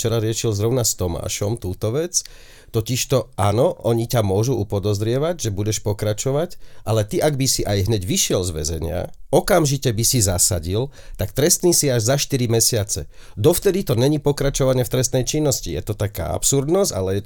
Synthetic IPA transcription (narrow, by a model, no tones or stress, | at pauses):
t͡ʃɛɾaɾɪɛʃilzɾɔʊnast̪ɔma̰ːʃɔmt̪uːt̪ɔʋɛt͡s | t̪ɔciʃt̪ɔʔa̰ːnɔʔɔɲicamʊɔʒuʔupɔd̪ɔzɾɪɛʋaɟʒɛbuɟɛʃpɔkɾat͡ʃɔʋacʔalɛt̪iʔaɡbisiʔajɦɲɛɟʋiʃɪɛlzʋɛ̰zɛ̰ɲɪa̰ɔkamʒicɛbisizasa̰ɟilt̪akt̪ɾɛst̪niːsiaʒzaʃt̪iɾimɛsɪat͡sɛd̪ɔft̪ɛd̪it̪ɔɲɛɲipɔkɾat͡ʃɔʋaɲɪɛft̪ɾɛst̪nɛjt͡ʃinːɔscijɛ̰t̪ɔt̪aka̰ːa̰psuɾd̪nɔza̰lɛjɛ